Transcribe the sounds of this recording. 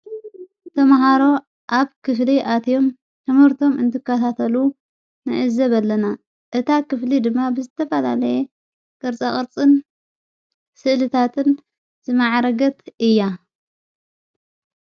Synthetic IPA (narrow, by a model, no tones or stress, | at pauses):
t̪ʰɐmɦaɾo̞ | ʔaβkʰɨfliʔat̪ʰijo̞m | t̪ʰɨmhɨɾt̪ʰo̞mɨ̰nt̪ʰɨkʰːɐt̪ʰat̪ʰɐlu | nɨ̰ʕɨzɐβɐlːɐna | ʔɨt̪ʰakɨflid̪ɨmːabɨzɨt̪ʰɐfɐlalɐje | kʼɐɾt͡sʼaχʼɨɾt͡sʼɨn | sɨʔlɨt̪ʰat̪ʰɨn | zɨmaʕɾɐɡɐt̪ɨjːa